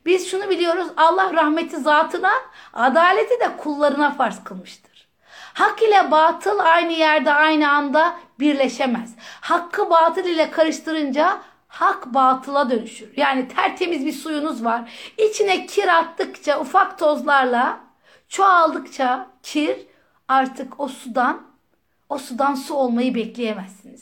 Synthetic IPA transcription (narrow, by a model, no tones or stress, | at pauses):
biz̥ʃunubilʲijo̞ɾuzalˠːahɾahmet̪ʰizaːt̪ʰɯnaad̪aːlʲet̪ʰid̪ɛkʰulˠːaɾɯnafaɾskʰɯlˠmɯʃt̪ʰɯ̥ɾ̥ | hakilʲɛbaːt̪ʰɯlˠajnɯjæɾd̪ɛajnɯand̪abiɾlʲeʃemɛz̥hakʰːɯbaːt̪ʰɯlˠilʲɛkʰaɾɯʃt̪ʰɯɾɯnd͡ʒa | hakbaːt̪ʰɯlˠad̪ø̞nyʃyɾjaːnit̪ʰæɾt̪ʰe̞mizbiɾsujunuzvaɾit͡ʃʰinɛcʰiɾat̪ːɯkt͡ʃʰaufakt̪ʰo̞zlˠaɾlˠa | t͡ʃʰoalˠd̪ɯkt͡ʃʰacʰiɾ | aɾt̪ʰɯko̞sud̪an | osud̪ansuo̞lˠmajɯbɛclʲejemæzːiniz̥